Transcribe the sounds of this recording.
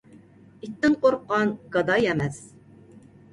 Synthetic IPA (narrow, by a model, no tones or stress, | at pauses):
it̪ʰːɪnqʰoɾqːɑnɡ̥ɑd̪ɑjɛmɛs